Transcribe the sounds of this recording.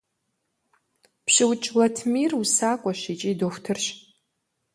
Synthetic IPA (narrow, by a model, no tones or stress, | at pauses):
pɕɪwt͡ʃʼlɐtʰmiːrusaːkʷʼɔʃiːt͡ʃʼiːdoːxʷtʰɨrɕ